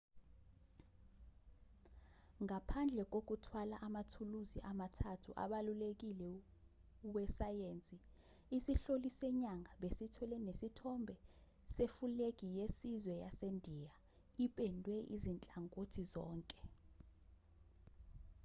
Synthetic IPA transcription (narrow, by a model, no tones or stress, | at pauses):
ŋapʰand͡ɮʱɛk̬ʼok̬utʰwalaʔamatʰuluziʔamatʰatʰuʔa̰ɓalulek̬ilɛ | wɛsajeːnt͡sʼi | isiɬolisɛɲaŋɡʱaɓesitʰwɛlɛnesitʰɔmbʱɛ | sefulek̬ʼijesizwɛjasendʱija | iɓʼɛndʱwɛʔḭzint͡ɬʼaŋʼotʰizɔːŋkʼɛ̥